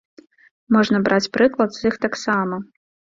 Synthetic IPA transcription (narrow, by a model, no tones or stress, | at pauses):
mɔʐnɐbɾʔat͡sʲpɾɨklˠɐd̪z̥ixt̪aksamɐ